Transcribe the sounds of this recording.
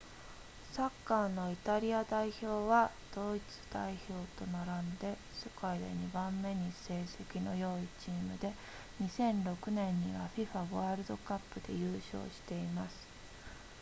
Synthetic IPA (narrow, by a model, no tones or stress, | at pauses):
sakːaːno̞it̪aɾʲiad̪aiço̞ːβa | d̪̥o̞it͡sɨ̥d̪̥aiço̞ːt̪o̞naɾãnd̪e̞ | sekaid̪ḛɲ̟ibãmːe̞ɲ̟ise̞ːse̞kʲino̞̰jo̞ːit͡ɕiːmɯ̟d̪e̞ | ɲ̟isẽ̞nɾo̞kɯ̟nẽ̞ɲ̟ːiβaɸʲiɸaβaːɾɯ̟d̪o̞kapːɯ̟d̪e̞̰jɯ̟ːɕo̞̰ːɕi̥t̪e̞imasɨ̥